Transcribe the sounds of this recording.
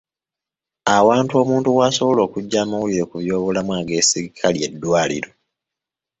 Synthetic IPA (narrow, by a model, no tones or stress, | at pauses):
awaːntuo̞ːmuːntuwaːso̞βo̞lo̞ːkuɟːaːmawuliɾe̞kuβjo̞ːβolamwaːɡe̞ːsiɾikʰalje̞dːwaːlḭɾo̞